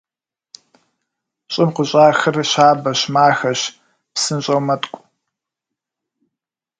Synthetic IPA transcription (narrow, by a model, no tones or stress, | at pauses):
ɕʼɪmqəɕʼaːxɨrɕaːbɐɕmaːxɐɕ | psɨnɕʼɐwmɐtʼkʷʼ